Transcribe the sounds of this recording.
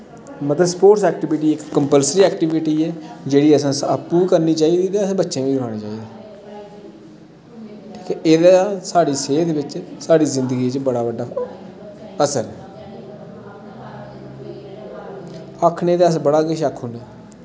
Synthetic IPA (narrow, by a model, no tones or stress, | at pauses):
mət̪ləspoːʈsɛːk̚ʈɪbɪʈiːɪkːəmpəlsɾiːɛːkʈɪʋɪʈiːɛːd͡ʒeːɽiːəsãːsəpːuːkəɾniːt͡ʃaːiːd̪iːt̪eːəsãːbətːʃẽːʋĩːɾʊaːɽ̃eːt͡ʃaːiːd̪eː | ʈʰi̥ːkɛʔeːd̪aːsaːɽiːseːd̪eːbɪt͡ʃsaːɽiːzɪnd̪əɡiːt͡ʃbəɽaːbəɖaː | əsəɾɛː | əkʰneːt̪eəsbəɽaːkɪʃəkʰɦʊnd̪eː